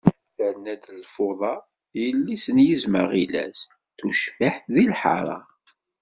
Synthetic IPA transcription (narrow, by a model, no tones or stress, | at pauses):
θəɾnæd̪lfoðˤɑ | jəlːisənjizmə̰ʁilæ̰s | θuʃfaħθðilħɑ̰ɾˤɑ̰